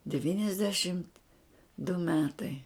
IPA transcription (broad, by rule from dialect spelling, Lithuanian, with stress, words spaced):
dʲɛˈʋʲiːnʲɛzʲdʲɛʃʲɪmt dʊ ˈmʲæːtɐɪ